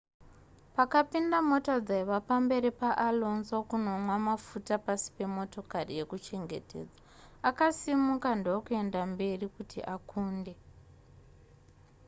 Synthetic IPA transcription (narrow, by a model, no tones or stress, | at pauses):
pakapindamo̞tad͡zaiʋapambe̞ɾipaʔalo̞nzokuno̞mwamafutapasi̥pe̞mo̞to̞karije̞kut͡ʃe̞ŋɡe̞̰te̞̰ːd͡za | akasimukandowokue̞ndambe̞rikutʰḭʔakʰuːnde̞